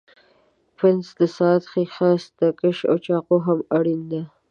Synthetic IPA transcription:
pɾɪnsd̪əsɑt̪xixɑsd̪əkəʃa̰wt͡ʃɑqoɦamaɽind̪a

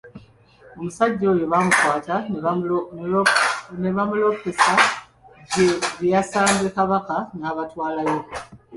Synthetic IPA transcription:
o̞musaɟːojeβamukwaːta | ne̞βamulo̞pisa | ɟeβjasaːnze̞kaβakanaːβatwaːlajo̞

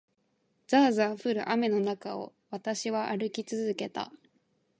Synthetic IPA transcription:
zaːzãɰ̃ɸɯ̟ɾɯ̟̰ʔame̞no̞nakao̞̰ | βat̪aɕiβaʔaɾɯ̟kʲit͡sɨzɨke̞t̪a̰

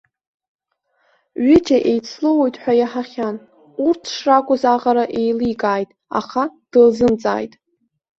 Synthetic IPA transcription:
ɥɪd͡ʒʼaʔejt͡sʰlowojtʼħʷᶣajaħaχʲan | urtʰʂrakʷʼʊzaʁaɾaʔe̞jlikʼaːjtʼa̰χad̥ɨlzɨmt͡sʼa̰ːjtʼ

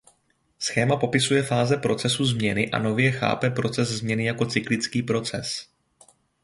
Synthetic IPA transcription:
sxɛːmapo̞pɪsujɛfaːzɛpɾo̞t͡sɛsuzmɲɛnɪʔa̰no̞vjɛxa̰ːpɛpɾo̞t͡sɛzzmɲɛnɪjako̞t͡sɪklɪt͡skiːpɾo̞t͡sɛ̰s

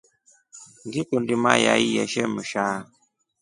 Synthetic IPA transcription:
ŋɡikundima̰ja̰ijɛʃɛməʃa

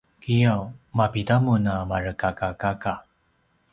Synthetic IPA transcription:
kijawmapitamunamaɾəkakakaka

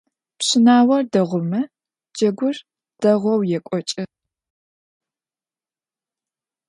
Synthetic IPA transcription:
pɕɪnaːwɐrdɐʁʷʊmɐ | d͡ʒɐɡʷʊr | d̥ɐʁʷɔwjɛkʷʼɔt͡ʃʼɪ

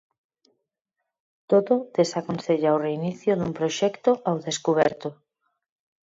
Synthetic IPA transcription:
t̪oðʊðesakonsθeʎaoreiniθjʊðumpɾoʃɛkt̪ʊʔawðeskuβ̞ɛɾt̪ʊ

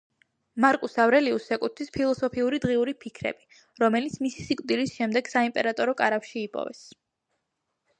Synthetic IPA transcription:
maɾkʼusavɾɛliusɛkʼut̪ʰispʰilˠɔsɔpʰiuɾid̪ʁiuɾipʰikʰɾɛ̰b̥i | ɾɔmɛlit̪sʰmisi̥sikʼd̪ilisʃɛmd̪ɛɡ̥saimpʼɛɾat̪ʼɔɾɔkʼaɾapʃiːpʼɔ̰vɛ̰s

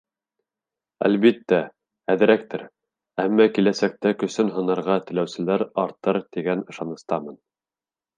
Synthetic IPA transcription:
æ̰lβit̪ːæ | æðɘ̆ɾæk̚t̪ɘɾ | æmːækilæsæk̚t̪ækɵ̆sɵnɦɤ̆nɤ̆ɾʁɑt̪ɘ̆læwsɘ̆læɾɑɾt̪ɤɾt̪iɡænɤ̆ʃɑnɤ̆st̪ɑmɤn

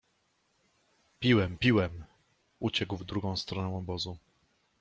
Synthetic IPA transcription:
pʲiwɛmpʲiwɛm | ut͡ɕɛɡwvd̪ɾuɡɔ̃w̃st̪ɾɔnɛw̃ɔbɔzu

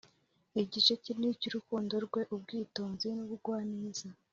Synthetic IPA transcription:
iɟit͡ʃe̞ciniciɾukuːndo̞ɾɡwe̞ʔub̚ɡiːtoːnzinuβuɡwaːniz̥a

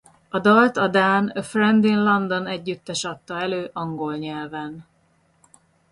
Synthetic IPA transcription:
ɒd̪ɒlt̪ɒd̪aːnøfrɛnd̪inlɒnd̪o̞nɛɟːyt̪ːɛʃɒt̪ːɒɛløːʔɒŋɡo̞lɲɛlvɛn

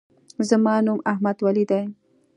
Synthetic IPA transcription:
zəmɑnumahmad̪walid̪ajm

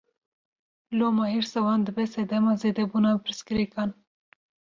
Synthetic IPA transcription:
loːmɑheɾsawɑːnd̪əbɛsɛd̪ɛmɑːzeːd̪ɛbuːnɑpɨɾɨskɨɾekɑːn

